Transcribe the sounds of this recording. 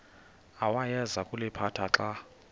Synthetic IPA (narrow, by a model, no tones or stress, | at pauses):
awajɛzakʼulɛpʰatʰaǁa